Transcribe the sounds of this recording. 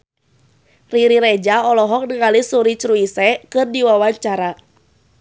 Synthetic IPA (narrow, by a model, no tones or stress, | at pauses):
riɾiɾɛd͡ʒaɔlɔɦɔk̚nəŋalisuɾit͡ʃɾuisɛkɨrdiwawaɲt͡ʃaɾa